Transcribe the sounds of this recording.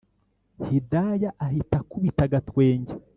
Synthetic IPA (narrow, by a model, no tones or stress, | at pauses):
hidajaʔaɦitakuβitaɡatwe̞ːɲɟe